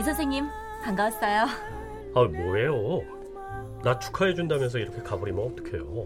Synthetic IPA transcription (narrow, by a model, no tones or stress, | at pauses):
isʰʌs̬ʰeŋɲim | kaŋɡaas͈ʌjo | amoɾe̞jo | nat͡ɕʰu̥kʰaed͡ʑundamjʌnsʰʌiɾʌkʰe̞kabʌɾimʌnʌt͈ʌkʰe̞̰jo